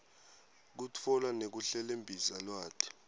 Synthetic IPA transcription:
k̬ut͡fʰɔlwanek̬uɬɛlembʱisalwaːtʰi̥

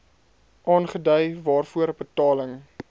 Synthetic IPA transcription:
ʔɑːnχədœjvɑːrfuəɾəbətɑːləŋ

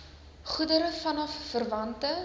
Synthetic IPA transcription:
χudəɾəfɐnɔfːərvɐntə

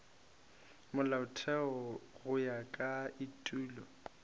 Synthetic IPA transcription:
mʊlaʊtʰɛɔɣʊjakʼaitʼuːlɔ

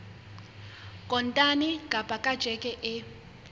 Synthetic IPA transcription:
kʼɔntʼaniɡʱʼab̥ʼʱakʼad̥ʒ̥ʱɛkʼɛʔɛ

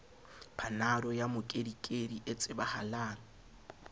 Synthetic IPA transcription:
pʰanaɾɔjamʊkʼedikʼediʔet͡sʼɪbahalaːnɔ

